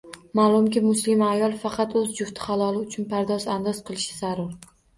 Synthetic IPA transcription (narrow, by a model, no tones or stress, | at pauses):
malˠʊmkʲɪmʊslɪmajɒlˠfɑqʰɑt̪ɵzd͡ʒʊft̪ʰɪ̥χalˠɒlˠɪʊt͡ʃʰʊnpʰaɾd̪ɒzand̪ɒzqʰɨlˠɪʃɪ̥z̥aɾʊɾ